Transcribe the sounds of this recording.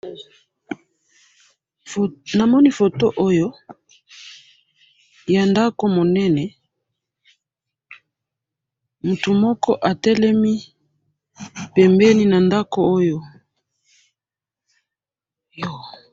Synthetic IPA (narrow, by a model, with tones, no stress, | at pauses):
na˨mɔ˦ni˦fo˨to˦ʔo˦jo˦ | ja˨nda˦ko˦mo˨nɛ˦nɛ˨ | mu˨tu˨mɔ˦kɔ˦ʔa˨tɛ˦lɛ˦mi˦ | pɛ˨mbɛ˦ni˦na˨nda˦ko˨o˦jo˦ | jo˨